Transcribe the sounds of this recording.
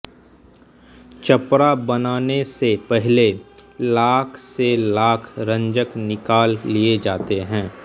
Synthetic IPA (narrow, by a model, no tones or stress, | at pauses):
t͡ʃɐpɾabɐnaːnesepɛɦlelaːkʰselaːkʰɾə̃ɲd͡ʒəknɪkaːlːied͡ʒaːt̪eɦɛ̃ː